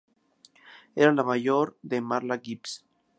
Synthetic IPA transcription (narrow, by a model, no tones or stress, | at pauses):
eɾalamaʝoɾðemaɾlaɡips